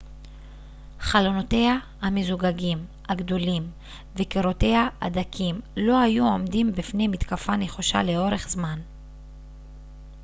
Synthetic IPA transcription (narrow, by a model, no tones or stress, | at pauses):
χalo̞note̞ha | hamezuɡaɡim | haɡdo̞lim | vekeʁo̞te̞jhaa̰d̪akʰimlo̞hajuo̞mdimbifnejmit̪kafaneχoʃa̰le̞o̞ʁe̞χz̥man